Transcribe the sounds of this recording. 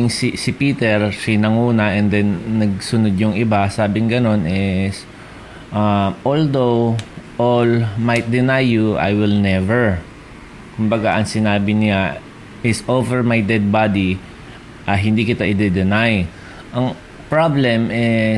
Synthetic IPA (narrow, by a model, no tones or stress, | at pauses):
ŋssɪpiːt̪ɛɹsɪnɐŋuːnɐʔɛnd̪ɛnːɐɡ̚sʊnod̪̚jʊŋɪbasaːbɪŋɡɐno̞nɪs | ʔaʔold̪owʔolmajt̪̚d̪ɪnajːuʔa̰jwɪlnɛvɛɹ | kʊmbɐɡaʔɐŋsɪnaːbɪnɪa | ʔɪsʔovɛɹmajd̪ɛd̪̚bad̪i | ʔɐɦɪnd̪ikɪt̪aʔɪd̪ɛd̪ɛnaj | ʔɐŋ | pɹablɛmɪ